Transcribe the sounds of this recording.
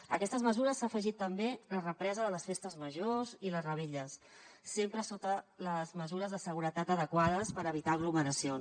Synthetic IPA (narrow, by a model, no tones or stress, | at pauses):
əkɛst̪əzməzuɾəsːafəʒit̪ːəmbelərəpɾɛzəðələsfest̪əzməʒoziləzrəβeʎəsː | empɾəsot̪ələzməzuɾəzðəsəɣ̞uɾət̪at̪əðəkwaðəspəɾəβ̞it̪aəɣluməɾəsions